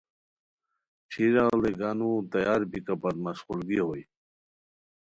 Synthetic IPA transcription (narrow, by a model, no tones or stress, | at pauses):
t͡ɕʰiɾald̪eɡanut̪ajaɾpikapat̪masχulɡiɦoj